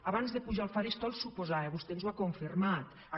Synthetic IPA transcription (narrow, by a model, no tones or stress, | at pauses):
aβanzðepuʒalˠfaɾist̪ɔlˠsupozaeβust̪enzwakoɱfirmat̪ | a